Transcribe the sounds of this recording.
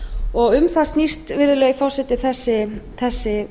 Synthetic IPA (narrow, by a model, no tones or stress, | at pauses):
ɔɣʏmθast̪nist̪vɪɾðʏlɛɣfawsɛt̪ɪθɛsːɪθɛsːɪ